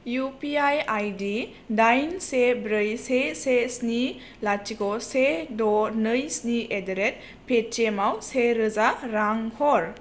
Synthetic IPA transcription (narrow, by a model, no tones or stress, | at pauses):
jupiajajdi | dajnsebɾɯjsesesni | lat͡ʃiɡɔsedɔnɯjsniedeɾet̚ | pʰet͡ʃemawseɾɯzaɾaŋhɔɾ